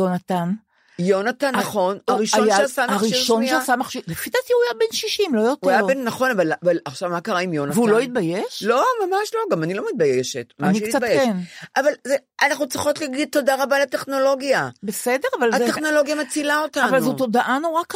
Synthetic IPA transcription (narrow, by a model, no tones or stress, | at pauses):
jonatan | jo̞natanːaχo̞noʁiʃojʃeasamaχʁʃiiʁʃonmiasamaχʃiʁlefit̪atiujabenʃiʃimlojot̪ːajabenːaχo̞navalavalaχʃavmakaʁaimjo̞natveulo̞it̪̚bajeʃlo̞mamaʃlo̞ɡamanilo̞mit̪̚bajeʃetmaniekit͡satbajeʃenʔavalzeanaχnut͡sʁiχo̞tleɡid̪̚todaʁabalateχno̞lo̞ɡjabesedeʁavalat̪eχno̞lo̞ɡjamat͡silao̞tanvalzut̪odaʔanoʁak